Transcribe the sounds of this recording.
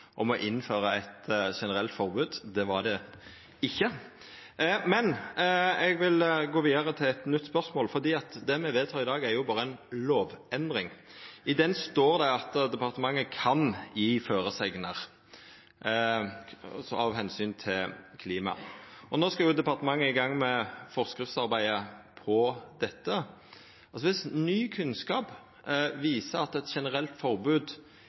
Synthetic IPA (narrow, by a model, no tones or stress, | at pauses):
ʔɔmɔʔɪnːføːɾəɛt̪ʂɛnəʁɛlt̪fɔʁbʉːd̪d̪ɛʋɑd̪ɛ | ɪçːə | mɛn | ɛɡʋɪlɡoːʋiːd̪əʁət̪ʰɪlɛt̪nʏt̪ːspœʁsmoːlfɔʁd̪iːɑt̪d̪ɛmɛʋeːt̪ʰɑːʁɪd̪ɑːɡæɾjʊbɑːɾəænloːʋɛnd̪ɾɪŋɪd̪ɛnst̪oːɾd̪ɛɑt̪d̪ɛpɑʁt̪əmɑŋːəkʰɑnjiːføːɾəsɛɡnəʁ | sɔɑʋɦɛnsyːnt̪ʰɪlkʰliːmɑ̰ʔɔnoːskɑjʊd̪ɛpɑʁt̪əmɑŋːəɪɡɑŋmɛfɔʁskɾɪft̪sɑɾbæɪəpʰɔd̪̥ɛt̪ːə | ɑsɔʋɪsnyːkʰʉnskɑːp | ʋiːsəɑt̪ɛt̪ʃɛnəɾɛlt̪fɔʁbʉːd̪